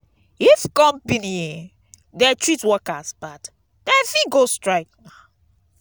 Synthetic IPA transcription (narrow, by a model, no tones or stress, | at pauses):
ifkɔ̃mpini | dɛtʰɹitwɔkasb̥at | d̥ɛfiɡostɹaɪk̚na